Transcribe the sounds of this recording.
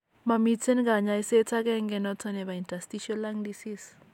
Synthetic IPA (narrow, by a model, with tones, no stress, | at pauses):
ma˨mi˦t͡se˦nɡa˨ɲa˨i˦se˦t͡sa˦kɛ˦ŋɡɛ˨nɔ˦t͡sɔ˧nɛ˨βa˨i˨nta˨sti˦ʃɔ˦la˦ŋdi˦si˦s